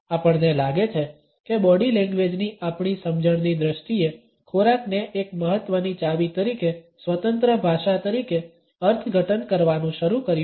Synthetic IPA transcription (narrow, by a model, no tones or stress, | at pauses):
apəɳnelaɡet͡ʃʰe | kebɔɽilɛ̃ŋɡʋed͡ʒniʔapɳ̃isəmd͡ʒəɽ̃nid̪ɾəʃʈie | kʰoɾakneʔekməɦət̪ʋənit͡ʃaʋit̪əɾikesʋət̪ənt̪ɾəbʱaʃat̪əɾike | əɾt̪ʰɡʱəʈənkəɾʋanũʃəɾukəɾj